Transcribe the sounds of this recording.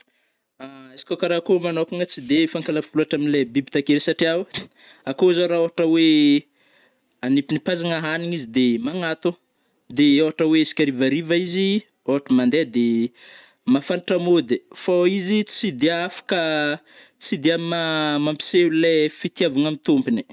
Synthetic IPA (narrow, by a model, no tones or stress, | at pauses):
aisi̥kʲakaɾakomanokaŋət͡sid̪efaŋkalafuluaʈ͡ʂaminilebibi̥t̪akeɾesaʈ͡ʂiaw | akoizaɾaoɦaʈ͡ʂəwe | anipinipazaŋaɦaniɲizid̪emaŋat̪u | d̪eoɦaʈ͡ʂəwesi̥kʲaɾivaɾivaizi | oɦaʈ͡ʂəmand̪ed̪e | mafaniʈ͡ʂamod̪efaizit͡sid̪eafḁkə | t͡sid̪eamimamampi̥selefit̪iavaŋamit̪umpini̥